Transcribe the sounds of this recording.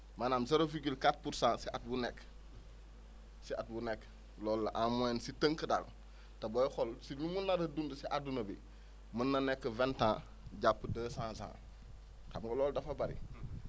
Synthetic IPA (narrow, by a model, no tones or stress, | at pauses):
manaːmseɾofiɡilkat̚puɾsãːsiʔat̚bunɛk | siat̚bunek | lɔlːɐʔamuensitəŋkəda̰l | tɐbojxɔlsimimunːaɾɐdundəsiʔadunɐbi | munːɐnɛkːəventãː | ɟapːədəːsãːsã̰ː | kamŋɡɐlɔːldɐfɐbɐɾḭ